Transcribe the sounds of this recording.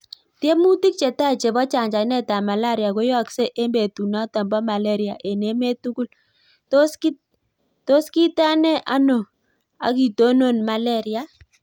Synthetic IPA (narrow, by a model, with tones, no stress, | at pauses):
tje˦mu˦ti˦k̚t͡ʃe˨ta˦˨t͡ʃe˨bɔ˦t͡ʃa˨ɲd͡ʒa˨i˦nɛ˦ta˨ma˨la˦ɾja˨ko˦jɔ˦kse˦ʔe˦mbe˨tu˨na˦tɔ˨mbɔ˦ma˨le˦ɾja̰˨ʔe˨ne˨˦me˦tu˦ku˦l | to˦ski˦ | to˦ski˦ta˦nɛ˦ʔa˦no˨ | a̰˨ki˨to˦no˦˨nma˨lɛ˦ɾja˨